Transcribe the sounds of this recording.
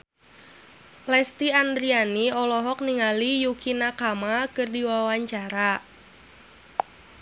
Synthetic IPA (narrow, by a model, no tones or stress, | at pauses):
lɛst̪iand̪ɾianiɔlɔɦɔk̚niŋalijukinakamakɨrdiwawaɲt͡ʃaɾa